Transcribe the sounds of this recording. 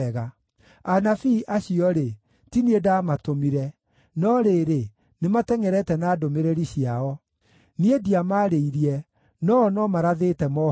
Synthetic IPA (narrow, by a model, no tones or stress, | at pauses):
ɣa | anafiʔaɕiɔɾe | tiniedamatomiɾɛ | nɔɾeːɾe | nematɛŋɛɾɛtɛnaːdomeɾeɾiɕiaɔ | niediamaɾeiɾiɛ | nɔːnɔmaɾaðetɛmɔ